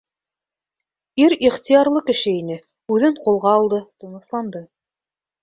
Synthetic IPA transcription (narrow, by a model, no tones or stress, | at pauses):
iɾiχt̪ijɑɾlˠɤkɘ̆ʃɘinɘ | ʉðɘɴqulˠʁɑːlˠd̪ɤt̪ŏɴɤ̆slˠɑnd̪ɤ